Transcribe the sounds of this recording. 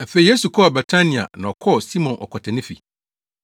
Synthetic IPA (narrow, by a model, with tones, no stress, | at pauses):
a˨fe˨i˨je˦su˨kʰɔ˦a˨bɛ˨tʰa˦nĩ˨a̰˨nã˨ɔ˨kʰɔ˦˨si˦mɔ̃˨nʔɔ̰˨kʷʰɔ˨tʰɛ˨nɪ̃˦fḭ˨